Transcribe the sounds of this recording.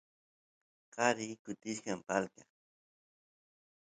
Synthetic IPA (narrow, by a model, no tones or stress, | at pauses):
qɑɾɪkʊt̪ɪʃkampalka